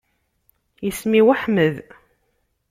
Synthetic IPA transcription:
jəsmiwaħməð

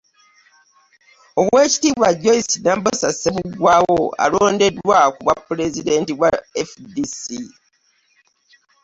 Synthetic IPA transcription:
o̞βwe̞ːci̥tiːβwaɟo̞isinambosasːeβuɡwaːwo̞a̰loːnde̞dːwakuβapːlezide̞ntiβwaefdisi

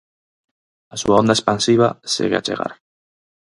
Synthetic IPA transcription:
asuaond̪aespansiβ̞asḛɣeat͡ʃḛɣa̰ɾ

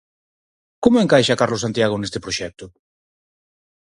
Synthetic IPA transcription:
komoeŋkajʃɐkaɾlosant̪jaɣ̞onest̪ɪpɾoʃɛk̚t̪ʊ

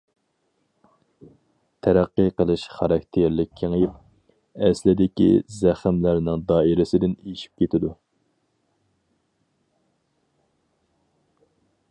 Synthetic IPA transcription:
t̪ʰæɾæqːɨqəlˠɨʃχɑɾɑkʲt̪ʰeɾlɪk̚ʲʰːeŋjip | ɛslɪd̪ɪkʲḭzæχmlæɾnɪŋd̪ɑːiɾɪsɪd̪ɪnejiʃi̥p̚kʲʰet̪ɪd̪u

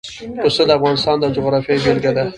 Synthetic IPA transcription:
pust̪əd̪əafɣɑnɪst̪ɑnd̪əd͡ʒʊɣɾɑfjɑjbelɡad̪a

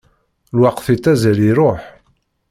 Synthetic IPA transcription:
lwaqfit̪ːæzæliɾoħ

